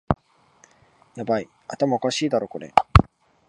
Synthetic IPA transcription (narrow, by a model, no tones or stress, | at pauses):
jabai | at̪amaokaɕiːd̪aɾo̞ko̞ɾe̞̰